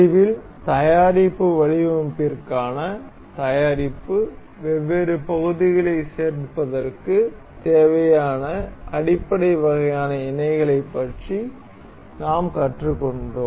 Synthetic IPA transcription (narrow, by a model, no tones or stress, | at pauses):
ɪʋɪl | t̪ɐjaːɾɪpːɯʋɐɻɪʋɐmpirkaːnɐ | t̪ɐjaːɾɪpːɯ | ʋɛʋːeːɾɯpɐɣɯðɪɣɐɭɐɪseːɾpɐðɐrkɯ | t̪eːʋɐjaːnɐɐɽɪpːɐɽɐɪʋɐɣɐjaːnɐɪnɐɪɣɐɭɐɪpːɐʈri | naːmkɐʈrɯkːɔɳɖoː